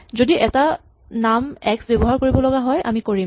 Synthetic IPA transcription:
zodiʔɛta | namɛksbebɔɦaɹkoɹibɔlɔɡaɦɔjʔa̰mikoɹim

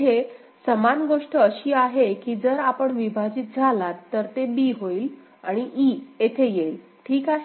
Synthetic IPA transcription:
e | səmanɡoʂʈəːɕiːaɦekiːd͡zəɾapəɳʋibʱad͡ʑiːt̪̚d͡zʱalat̪ːəɾt̪ebiːɦoiːl | aɽ̃iʔiet̪ʰejeil | ʈʰiːkaɦe

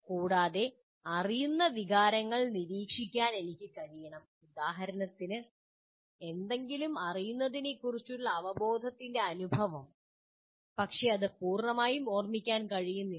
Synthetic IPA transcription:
kuːɽaːðe̞ | ɐrijunːɐʋiɣaːɾɐŋːɐɭniɾiːkʂikʲːaːne̞nikʲːɨkɐɻijɐɳɐm | ud̪aːɦɐɾɐnɐt̪ːinɨ | e̞nd̪e̞ŋɡilumɐrijunːɐðine̞kːurit͡ɕːuɭːɐːʋɐbo̞ːd̪ʱɐt̪ːinde̞ɐnubʱɐʋɐm | pɐkʂe̞ɐðɨpuːrɳɐmaːjumoːrmikʲːaːnkɐɻijunːi

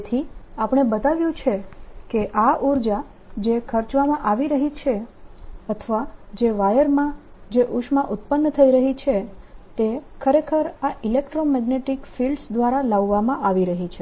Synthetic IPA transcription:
t̪ʰiapəɽ̃ebət̪aʋjũt͡ʃʰekeʔaʔuɾd͡ʒa | d͡ʒekʰəɾt͡ʃʋamãʔaʋiɾəɦit͡ʃʰe | ət̪ʰəʋad͡ʒeʋajəɾmãd͡ʒeʔuʃmãʔut̪pənːət̪ʰəiɾəɦit͡ʃʰet̪ekʰəɾekʰəɾaʔilekʈɾomɛɡneʈikfilɖsd̪ʋaɾalaʋːamãʔaʋiɾəɦit͡ʃʰe

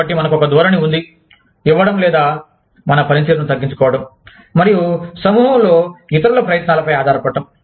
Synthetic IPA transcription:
ɐʈːimɐnɐkuɔkɐd̪ɔːɾɐniund̪i | iʋːɐɽɐmlɛːd̪aː | mɐnɐpɐɾint̪iɾɐnut̪ɐɡːiɲt͡ʃu̥kɔːʋɐɽɐmː | ɐɾijusɐmuɦɐloːit̪ɐɾulɐpɾɐjɐt̪naːlɐpɐjaːd̪ʱaːɾɐpɐɖːɐm

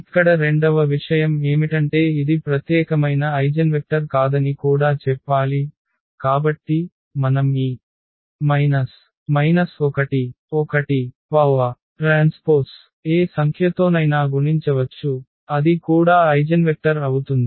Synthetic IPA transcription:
ikːɐɽɐɾe̞ɳɖɐʋɐʋiʂɐjɐme̞ːmiʈɐɳʈe̞ːid̪ipɾɐt̪jɛːkɐmɐjnɐɐjd͡ʒɐnʋek̚ʈɐɾkaːd̪ɐnikuːɽaːt͡ʃɛpːaːli | kaːbɐʈːi | mɐnɐmiː | mɐjnɐs | mɐjnɐsɔkɐʈi | ɔkɐʈi | pɐʋɐ | ʈɾaːnspoːɾs | eːsɐŋkʰjɐt̪o̞ːnɐjnaːɡuɳiɲt͡ʃɐʋɐt͡ʃːu | ɐd̪ikuːɽaːɐjd͡ʒɐnʋek̚ʈɐɾɐwut̪und̪i

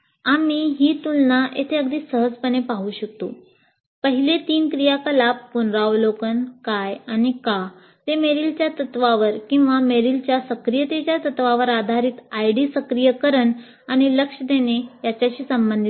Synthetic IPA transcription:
amiɦiːt̪unːaʔet̪ʰeəɡd̪ʱiːsəɦəd͡zpənepaɦuːɕəkt̪o̰ | pəɦilet̪iːnkɾijakəlab̚punɾaʋlokənkajanika | t̪emeɾilt͡ɕjat̪ət̪ʋaʋəɾkĩw̃ʋameɾilt͡ɕjasəkɾijət̪et͡ɕjat̪ət̪ʋaʋəɾad̪ʱaɾiːt̪ajɽiːsəkɾijəkəɾəɳ | añiləkʂəd̪enejat͡ɕjaɕiːsəmbənd̪ʱi

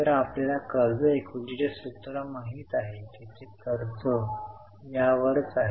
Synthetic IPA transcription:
t̪əɾaplalakəɾd͡zəekʰuʈiɽesut̪ɾəmaɦiːt̪aɦet̪at͡sekəɾd͡zə | jaʋəɾt͡saɦe

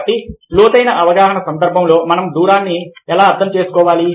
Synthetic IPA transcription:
ʈːiluːt̪ɐjnɐʔɐʋɐɡaːɦɐɳɐsɐnd̪ɐɾbʱɐmlo̞ːmɐnɐmd̪uːɾaːnːiɛlaːɐɾt̪ʰɐmt͡ʃe̞ːsu̥kɔːʋaːli

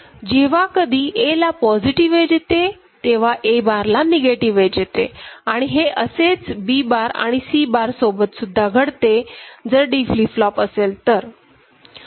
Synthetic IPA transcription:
d͡ʑeʋakəd̪ʱiːʔelapɔd͡ʑiʈiʋed͡ʑet̪e | t̪eʋ̤aʔebaɾlaneɡeʈiʋed͡ʑet̪ḛaɽ̃iɦeʔəset͡sbibaɾa̰ɽ̃isiːbaɾsobət̪sud̪ʱːaɡʱəɽt̪ed͡zəɾɖifliːflɔpəselt̪əɾ

